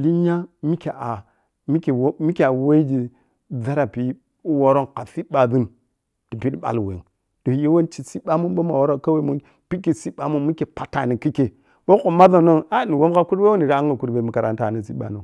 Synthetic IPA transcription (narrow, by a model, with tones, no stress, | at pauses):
li˦ɲa˦mi˦ke˨a˨ | mi˦ke˨wmi˦kʲe˨a˨we˦ɡi˨ | d͡za˦ɾa˨pi˨˦ | wo˦ɾo˦nka˨fi˦ba˨bi˦n | d̥i˨pi˦dɓa̰˨lwḛ˨ | d̥o˨je˦wo˦nt͡ʃi˨si˦ɓa˦mu˦nɓo˦ma˨wo˦ɾo˦ka˦we˦mu˦˨n | pi˦ki˨si˦ɓa˨mu˦mi˦ke˨pa˨ta˨ni˨ki˦ke˨ | bo˦o˨ma˦za˨no˦na˦˨ni˨wo˦m˦ɣa˦ku˦ɾbe˦wo˦ni˨ɾa˦a˦ŋɡa˨ku˦ɾbe˨mu˨ka˨ɾa̰˨n˦ta˨ni˨si˦ɓa̰˨no˨